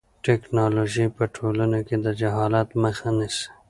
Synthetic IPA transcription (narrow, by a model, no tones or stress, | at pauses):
ʈeknɑloʒipəʈʰolanoked̪əd͡ʒaɦɑlat̪məxanɪs